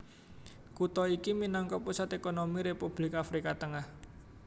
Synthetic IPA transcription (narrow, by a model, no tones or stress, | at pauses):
kut̪ɔikiminɔŋkɔpusat̪ekonomiɾepub̥lɪkafɾikat̪əŋah